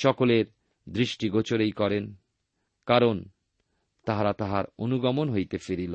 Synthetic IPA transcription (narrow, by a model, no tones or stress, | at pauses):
ʃɔkoleɾ | d̪ɾiʃʈiɡot͡ɕoɾejkɔɾen | kaɾon | t̪aɦaɾat̪aɦaɾonuɡɔmonɦojt̪efeɾilo